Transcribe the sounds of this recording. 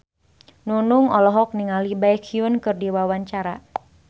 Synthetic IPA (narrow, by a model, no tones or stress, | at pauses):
nunuŋɔlɔɦɔk̚niŋalibaɛkʰiunkɨrdiwawaɲt͡ʃaɾa̰